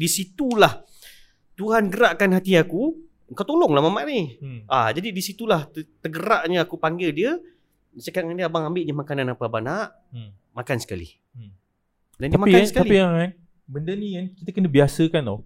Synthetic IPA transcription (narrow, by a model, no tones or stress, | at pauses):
disit̪ulah | t̪uɦanɡəɾaʔkanɦat̪iaku | əŋkawt̪olɔŋlahmamãʔniʔad͡ʒadidisit̪ulah̪t̪əɡəɾaʔɲəakupaŋɡɪldiə | səkaʔŋaŋdiəabaŋambɪʔɲəmakananapəabanaʔ | makansə̥kalḭ | dandiaəmaiaasəkaaliiaŋan | bəndəniankit̪əkənəbiasəkano